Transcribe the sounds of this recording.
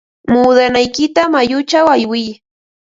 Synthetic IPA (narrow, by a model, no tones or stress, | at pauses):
muːd̪anajkɪt̪amajʊt͡ʃawajwɪj